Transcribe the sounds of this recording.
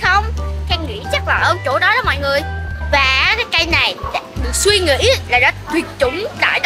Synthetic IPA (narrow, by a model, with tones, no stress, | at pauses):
xə˧wŋ͡mxɛ˧ŋŋḭ˧˥t͡ɕa˦˥k̚laː˨˩ʔəː˧t͡ɕo˧˩˦ɗɔ˨˦ɗɔ˨˦mɔ̰˧˨jŋɨ˨˩əjvaː˨˩kaː˨˦jka˧jna˨˩jɗa̰ː˧ɗɨ˨˩ək̚swi˧ŋḭ˧˥laː˨˩ɗɔ˨˦t̪wi˨˩ət̚t͡ɕʊ˨˦ŋ͡mɗa̰ː˧˨jɗ